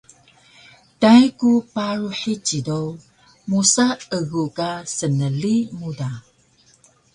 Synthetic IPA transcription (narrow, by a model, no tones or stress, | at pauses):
tajkupaɾuħit͡ɕidow | musaəɣukasənəlimuda